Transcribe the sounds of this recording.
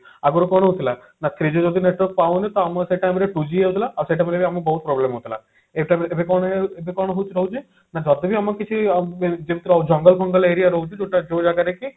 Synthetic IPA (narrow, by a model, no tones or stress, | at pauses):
aɡɔɾukɔɽ̃ɦut̪ʰila | nat̪ʰɾid͡ʒod͡ʒɔd̪ineʈʋəɾk̚paunit̪ɔaməseʈajmeɾeʈud͡ʒieut̪ʰilaːseʈamelebiamubɔɦut̪̚pɾɔblemɦot̪ʰila̰ | eʈajmebekɔɳeebʱekɔɽ̃ɦot͡ʃʰɾəɦut͡ʃʰe | nad͡ʒɔd̪ibʱiamɐkit͡ʃʰid͡ʒebʱit̪ɾd͡ʒɔŋɡəlpʰɔŋɡəleɾijaɾoɦut̪it̪oʈad͡ʒed͡ʒaɡaɾeki